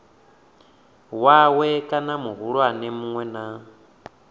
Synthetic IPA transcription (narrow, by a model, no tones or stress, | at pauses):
wawɛkʼanamuɦuɺwanɛmuŋwɛna